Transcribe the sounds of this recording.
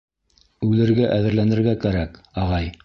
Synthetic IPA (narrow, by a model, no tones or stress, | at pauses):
ʉlɘ̆ɾɡæʔæðɘ̆ɾlænɘ̆ɾɡækæɾækɑʁɑj